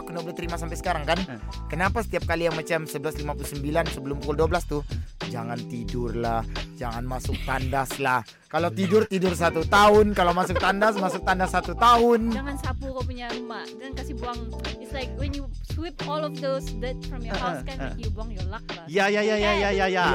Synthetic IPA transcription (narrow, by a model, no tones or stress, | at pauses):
kənoblət̪əɾimasampajsə̥kaɾaŋkan | kənapasə̥t̪iap̚kalijaŋmat͡ʃamsəbəlaslimapulusəmbilansəbəlʊmpukʊlduabəlast̪ud͡ʒaŋant̪idʊrlahd͡ʒaŋanmasʊk̚t̪andaslah | kalawt̪idʊrt̪idʊrs̬at̪ut̪aʊnkalawmasʊk̚t̪andas̬masʊk̚t̪andasːat̪ut̪aɦʊnaŋansapukap̬uɲarumad͡ʒaŋankasibuaŋɪtslajk̚wɛnjuswɪp̚ɔlɔfdosdɛt̚fɾɔmjɔskjubuaŋjolak̚jajajajajajaja